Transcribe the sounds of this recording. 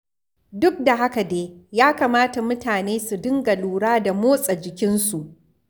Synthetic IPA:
dʊ˦k̚da˨ɦa˦ka˨deː˦jaː˦kaː˨maː˦ta˨mʊ˦taː˨neː˦su˨dɪ˦ŋɡa˨luː˨ɽaː˦da˨moː˦sʼa˨d͡ʒɪ˨kʲɪ˦nsu˨ʔ

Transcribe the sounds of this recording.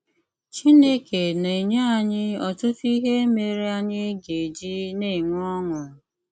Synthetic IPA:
t͡ʃi˦ne˦ke˨ne˨ɲe˦a˨ɲɪ˦ɔ˨tʊ˦fi˦ɦe˦e˦me˨ɾi˦a˦ɲɪ˦ɡe˨d͡ʒi˦ne˦˨ŋʷ˦ɔ˦ŋʊ˨

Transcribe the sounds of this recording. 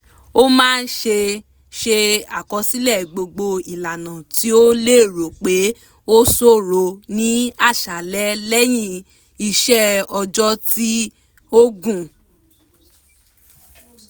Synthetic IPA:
o˦mãː˦˧n̩˦ʃe˧ | ʃe˧a˨kɔ˧si˦lɛ˦˨ɡ͡bo˧ɡ͡bo˧i˨la˨nã˨ti˨˦o˦le˦˨ɾo˨k͡pe˨˦ | o˦so˦˨ɾo˧nĩ˦a˦˨ʃa˨lɛ˨˦lɛ˦j̃ĩ˦˧˨ | i˧ʃɛ˦ɔ˧d͡ʒɔ˦ti˦ | o˦ɡũ˦˨

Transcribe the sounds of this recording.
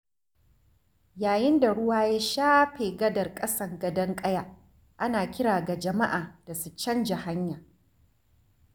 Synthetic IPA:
jaː˨jɪ˦nda˨ɽʊ˦waː˦ja˦ʃaː˦ɸeː˨ɡɐ˦dɐ˨rkʼɐ˦sɐ˦˨ŋɡɐ˦dɐ˦ŋkʼɐ˦ja˨ | ʔa˦naː˨kʲɪ˦ɽaː˨ɡa˨d͡ʒɐ˨ma˦ʔaː˨d̥a˨su˨t͡ʃɐ˦nd͡ʒa˨ha˦ɲjaː˨

